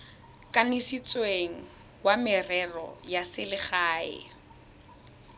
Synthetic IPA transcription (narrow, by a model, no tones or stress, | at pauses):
kʼanɪsit͡sʼweŋ̩ | wamɪrɛrɔ̰jasɪlɪχaːɪ̰